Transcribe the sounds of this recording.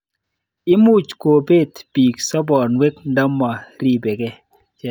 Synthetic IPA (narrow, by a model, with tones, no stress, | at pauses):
ɪ˦mu˦t͡ʃko˨be˦˨t̪b̥i˨ksɔ˦bɔ˨nwe˦k̚nda˦mːɔ˨ɾi˦be˨ɡɛ˦ | t͡ʃɛ˦